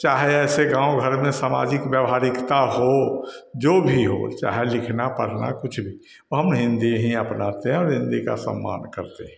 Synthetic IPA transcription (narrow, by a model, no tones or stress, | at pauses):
t͡ʃaːɦeɛːseɡãːõɡʱəɾmẽsama̰d͡ʒɪkbjəʋɦaːɾɪkt̪aɦod͡ʒobʱiɦo̰t͡ʃa̰ːɦelɪkʰnapəɽ̤na̰kʊt͡ʃʰbʱi | oɦəmɦɪ̃nd̪iɦĩəpnat̪eɦɛ̃ɔːɾɦɪ̃nd̪ika̰sə̰mːa̰ːnkəɾt̪eɦɛ̃